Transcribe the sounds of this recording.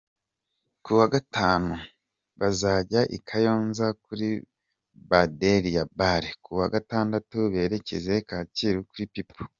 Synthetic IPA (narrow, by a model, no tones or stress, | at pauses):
kuwaɡataːnu | βazaɟaʔḭkʰajo̞ːnzakuɾi | badeɾijabaɾekuwaɡataːndatuβe̞ːɾe̞ce̞̰ze̞kaːciɾukuɾipipu̥